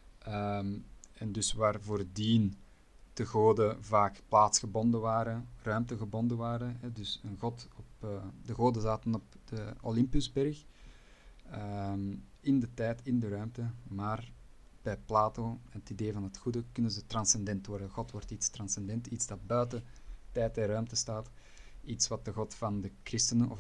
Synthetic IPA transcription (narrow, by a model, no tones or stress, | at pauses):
əmɛndʏsʋaːrvoːrdiːn | d̥əɣoːdəvaːkplaːtsxəbɔndəʋaːɾərœːmtəɣəbɔndəʋaːɾəɦɛdʏsənɣɔtɔpːdəɣoːdəzaːtənɔp̚d̥əolɪmpʏzbɛrx | əmɪndətɛːtɪndəɾœɥmtəmaːr | b̥ɛjplaːtoːnətideːvɑnɦətxudəkʏnənzətrɑnsɛndɛntwɔrdəɣɔtwɔrtitstrɑnsɛndɛntidzdɑt̚bœːtətɛːtɛrœːmtəstaːt | itsʋɑt̚dəɣɔtfɑndəkrɪstənənɔ̰f